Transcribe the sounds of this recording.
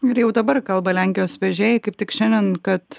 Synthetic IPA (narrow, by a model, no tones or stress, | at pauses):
ɪɾjɛʊd̪ɐbɐrkɐlˠbɐlʲæŋʲkʲɪjoːsʋʲɛʒʲeːjɛɪkɐɪp̚t̪ʲɪkʃʲɛnd̪ʲɛnkɐt̪